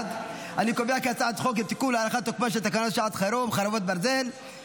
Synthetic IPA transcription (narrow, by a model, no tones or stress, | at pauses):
d̪ | alikobijakat͡saʕat̪χok̬et̪ikulalaχat̪ːokmanʃet̪akanot̪ʃaʕat̪χaɾomχaɾavot̪̚baɾzel